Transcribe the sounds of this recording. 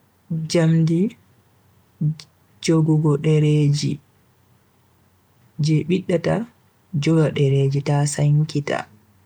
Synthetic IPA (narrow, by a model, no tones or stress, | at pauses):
d͡ʒamdi | d͡ʒoɡɔɡɔɗɛɾed͡ʒi | d͡ʒɛɓiɗːata | d͡ʒɔɡaɗɛɾed͡ʒitasaŋkita̰